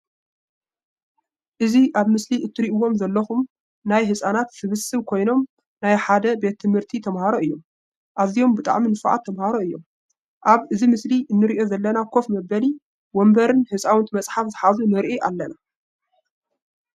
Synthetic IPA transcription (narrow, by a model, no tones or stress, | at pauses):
ʔɨziʔaβmɨsliʔɨt̪ʰːɨɾiʔuwo̞mzɐlːɐxum | najɦɨsʼanat̪sɨβɨsɨβkʰo̞jno̞m | najħad̪ɐbe̞t̪ʰːɨmhɨɾt̪ʰit̪ʰɐmhaɾoʔɨjːo̞m | ʔazijo̞mbɨt̪ʼa̰ʕminɨfʕa̰t̪ʰːɐmhaɾoɨjːo̞̰m | ʔaβɨzimɨsliʔɨnːɨɾiʔo̞zɐlːɐnakʰo̞fmɐbɐli | wombɐɾɨnhɨsʼawɨnt̪ʰmɐt͡sʼħafzɨħazunɨɾʔiʔalːɐna